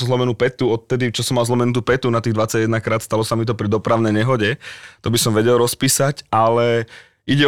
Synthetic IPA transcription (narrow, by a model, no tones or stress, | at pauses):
zlɔmɛnupɛt̪uɔt̪t̪ɛd̪it͡ʃɔsɔmalzlɔmɛnut̪̬upɛt̪unat̪iːɣd̪ʋat͡saɟɛd̪nakɾaːt̪st̪alɔsamit̪̬ɔpɾid̪ɔpɾaʊnɛjɲɛɦɔɟɛt̪ɔbisɔmʋɛɟɛlɾɔspiːsacʔalɛ | iɟɛ